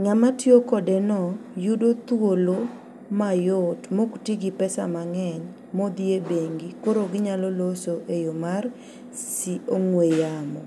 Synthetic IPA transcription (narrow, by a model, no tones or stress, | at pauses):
ŋamatjokɔdenɔjudot̪wolo | majʊtmoktiɡipɛsa̰maŋɛɲ | mod̪jebeŋɡikoɾoɡɪɲalɔlosoʔejomar | sioŋwejamɔ̰